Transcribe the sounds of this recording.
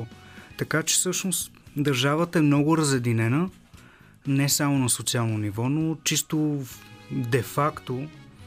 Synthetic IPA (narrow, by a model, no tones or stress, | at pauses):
t̪ɐkat͡ʃɛ̥fsɤʃnos | d̪əɾʒavət̪əɛmnɔɡʊɾəzɛd̪inɛnə | nɛsamonɐsot̪sialˠnonivɔnot͡ʃist̪o | d̪ɛfakt̪o